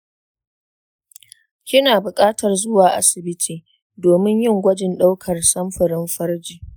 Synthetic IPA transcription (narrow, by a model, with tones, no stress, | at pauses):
kʲɪ˦naː˨bʊ˨kʼaː˦tɐ˨rzʊ˦waː˨ʔa̰˦sɪ˨bɪ˦tʰiː˨ | doː˨mɪ˦ɲjɪ˦˨ŋɡʷɐ˦d͡ʒɪ˨nɗa˦wkʰɐ˨rsɐ˦mɸɐ˨ɾɪ˦mɸɐ˦rd͡ʒiː˨